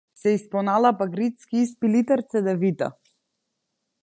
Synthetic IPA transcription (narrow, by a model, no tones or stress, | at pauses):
sɛispɔnalˠapaɡɾit̪skiispilit̪aɾt̪sɛd̪ɛvit̪a̰